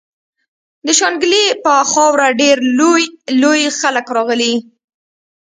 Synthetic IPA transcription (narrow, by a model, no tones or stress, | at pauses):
d̪əʃɑnɡlipəxɑwɾaɖeɾlojlojxaləkɾɑɣəli